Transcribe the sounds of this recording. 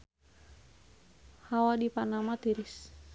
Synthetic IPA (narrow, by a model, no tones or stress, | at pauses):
hawadipanamat̪iɾis